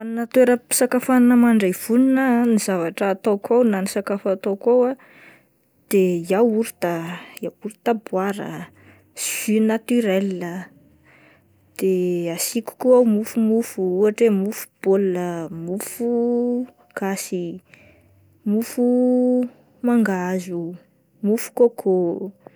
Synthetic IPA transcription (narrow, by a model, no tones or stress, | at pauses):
annat̪weɾəpsakafaninəmaɳɖ͡ʐejv̥uninənizavaʈ͡ʂəːt̪okʰawnanisakafat̪okawa | d̪̥ejawuɾit̪ajawuɾit̪abwaɾə̰ | synat̪yɾelːə | d̪̥easiku̥kuawmufumufuuaʈ͡ʂemufu̥b̥oləmufu | ɡ̥asi | mufu | maŋɡazu | mufu̥kokʰo